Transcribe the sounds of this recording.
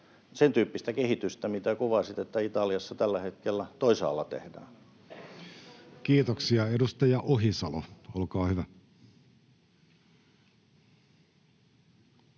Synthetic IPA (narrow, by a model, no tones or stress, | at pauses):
sent̪yːpːist̪ækehit̪yst̪æmit̪ækuʋɑsit̪et̪ːæit̪ɑljɑsːɑt̪ælːæhet̪kelːæt̪oisɑ̰ːlːɑ̰t̪ḛhdæ̰ːn | kiːt̪oksiɑedust̪ɑjɑʔoɦisɑloolkɑːhyʋæ